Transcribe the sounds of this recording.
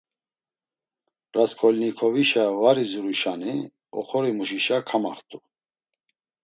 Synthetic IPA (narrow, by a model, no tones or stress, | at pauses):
ɾaskʰʼɔlnikʰɔviʃavaɾizuɾuʃani | ɔχɔɾimuʃiʃakʰama̰χt̪ʼu